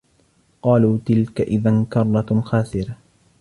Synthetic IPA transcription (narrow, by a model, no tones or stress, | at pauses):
qɑːluːt̪ɪlkaʔɪðankɑrˤːɑxaːsɪɾa